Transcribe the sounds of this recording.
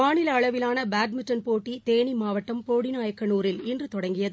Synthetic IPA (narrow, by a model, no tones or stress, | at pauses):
aːnɪlɐɐɭɐʋɪlaːnɐbaːɖ̚mɪʈːɐnpoːʈːit̪eːɳimaːʋɐʈːɐmpoːɽinaːjɐkːɐnuːɾɪlɪndrɯt̪ɔɽɐŋɡɪjɐð